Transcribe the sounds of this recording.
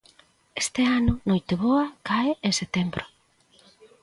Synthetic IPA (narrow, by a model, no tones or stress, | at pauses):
est̪eanʊnojt̪eβoɐkaeeset̪embɾo